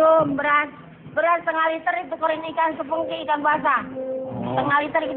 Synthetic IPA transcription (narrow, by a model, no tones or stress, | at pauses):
ombəɾas | bəɾat̪əŋalit̪əɾit̪ukəɾinikansəpuŋkiːkanbuasa | səŋalit̪əɾiki